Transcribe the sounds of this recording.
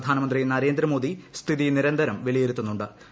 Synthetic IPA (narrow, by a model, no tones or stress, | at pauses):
d̪ʱaːnɐmɐnd̪rijnɐɾe̞ːnd̪ɾɐmo̞ːd̪ist̪ʰiðiniɾɐnd̪ʱɐɾɐmʋeɭijeɾut̪ːunːuɳɖɨ